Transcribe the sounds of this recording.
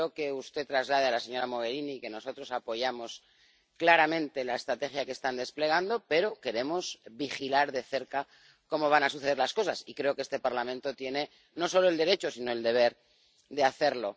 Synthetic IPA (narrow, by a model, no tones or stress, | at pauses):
oke̞ust̪e̞t̪ɾazlaðealase̞ɲo̞ɾamo̞ɣ̞e̞ɾinike̞no̞so̞t̪ɾo̞sapo̞ʝamo̞s | klaɾamẽ̞nt̪e̞laest̪ɾat̪e̞xjake̞st̪and̪e̞sple̞ɣ̞and̪o̞pe̞ɾo̞ke̞ɾe̞mo̞zβixilaɾðe̞θe̞ɾka | ko̞mo̞βanasuθe̞elasko̞sasikɾe̞o̞keest̪e̞paɾlamẽnt̪o̞t̪je̞ne̞ | no̞so̞lo̞e̞ld̪e̞ɾe̞t͡ʃo̞sino̞eld̪e̞β̞e̞ɾ | ðeaθe̞ɾlo̞